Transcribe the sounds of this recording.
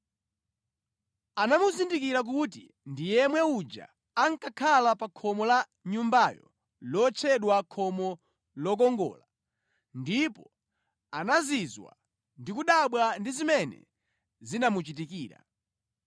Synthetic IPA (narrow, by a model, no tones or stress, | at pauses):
anamuzindikiɾak̬uti | ndijɛmwɛud͡ʒa̰ː | ŋkakʰalapakʰɔmɔla | ɲumbajɔ̰ | lɔt͡ʃʰɛɗwakʰɔmɔ | lɔk̬ɔŋɡɔ̰ːla | ndipɔ | anazizwa̰ | ndikuɗaɓwandizimɛnɛ̰ | zinamut͡ʃit̬ikiːɾa̰